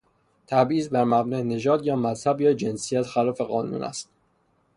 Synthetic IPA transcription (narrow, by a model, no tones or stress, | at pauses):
t̪ʰæbʔiːzbæɾmæbnɒːene̞d͡ʒɒːd̪jɒːmæzhæbjɒːd͡ʒe̞nsijæt̪ʰxælɒːfe̞ɣɒːnṵːnʔæ̰st̪̚